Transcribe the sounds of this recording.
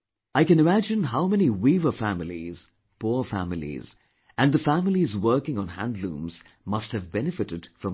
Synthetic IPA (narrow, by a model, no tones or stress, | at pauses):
aɪkɨ̃nɨmæd͡ʒɨ̃nɦaʊmɛniwivə˞fæmɪlḭz̥ | pʰɔfæmɪlḭz̥ | ɨ̃nðəfæmɪlizwɜ˞kɪ̃ŋə̃nɦæ̰̃ndlṵ̃ːmz̥ | mʌst̚hɨvbɛnɨfɨɾɨd̥fɹʌ̃m